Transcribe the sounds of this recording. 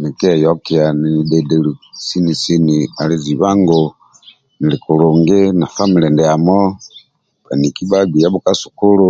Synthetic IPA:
ni˨ki˦ɛ˨jɔ˦kia˨ni˨ni˨de˨de˨lu˨si˦ni˨si˦nia˨li˦zi˨βa˦ŋɡo˦ | ni˨li˨ku˨ɾuː˨ŋɡe˦na˨fa˦mi˨ɾe˨nde˨a˨mɔ˦ | βa̰˨ni˨ki˦βa˦ɡi˨ja˦βuka˦su̥˨ku˦lu˦

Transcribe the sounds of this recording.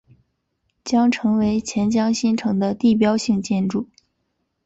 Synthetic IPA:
t͡ɕjɑ˥ŋʈ͡ʂʰɤ˧˥ŋwe˧˥ɪt͡ɕʰjɛ˧˥nt͡ɕjɑ˥ŋɕi˥nʈ͡ʂʰɤ˧˥ŋd̪ə˧t̪i˥˩p̬jɑ˥ʊɕi˥˧ŋt͡ɕjɛ˥˧nʈ͡ʂu˥˩

